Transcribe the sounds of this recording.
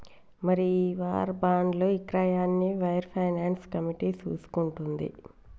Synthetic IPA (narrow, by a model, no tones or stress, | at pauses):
mɐɾiʋaːɾbaːɳɖlo̞ːikɾajaːnːiʋɐjɾpʰɐjnaːnskɐmiʈiːt͡ʃuːsu̥kuɳʈund̪ḭ